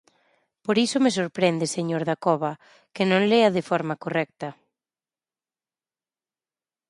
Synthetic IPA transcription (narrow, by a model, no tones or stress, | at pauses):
poɾisomesoɾpɾend̪eseɲoɾðakɔβɐ | kenõŋleɐðɪfɔɾmakorɛk̚t̪ɐ